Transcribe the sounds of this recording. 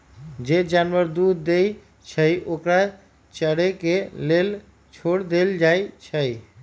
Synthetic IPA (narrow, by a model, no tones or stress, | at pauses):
d͡ʒed͡ʒanwəɾd̪ud̪d̪ej | t͡ʃʰəjʔokɾa | t͡ʃəɽekelel | t͡ʃʰoɽd̪eld͡ʒajt͡ʃʰəj